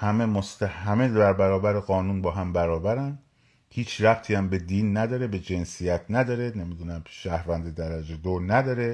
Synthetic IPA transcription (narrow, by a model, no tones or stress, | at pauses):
hæme̞most̪æhæmedæɾbæɾɒːbæɾeɣɒːnuːnbɒːɦæmbæɾɒːbæɾænd̪ | hiːt͡ʃʰræbt̪ʰiːæmbe̞d̪iːnːæd̪ɒːɾe̞be̞d͡ʒe̞nsijæt̪ʰnæd̪ɒːɾe̞ne̞mid̪uːnæmʃæhɾvænd̪ed̪æɾæd͡ʒed̪onæd̪ɒːɾe̞